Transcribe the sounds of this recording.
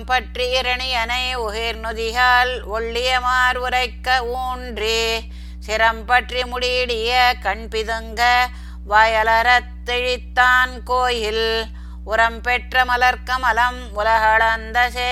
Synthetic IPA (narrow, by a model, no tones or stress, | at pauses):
mpɐʈriɪɾɐɳiɐnɐɪʊɦɪɾnʊðɪjaːlɔɭːɪjɐmaːɾʋɯɾɐɪkːɐuːɳɖri | sɪɾɐmpɐʈrimʊɽiːɽɪjɐkɐɳpɪðɯŋɡɐ | ʋaːjɐlɐɾɐt̪ːɛɻɪt̪ːaːnkoːjɪl | ʊɾɐmpɛʈrɐmɐlɐɾkːɐmɐlɐm | ʊlɐɦɐɭɐnd̪ɐse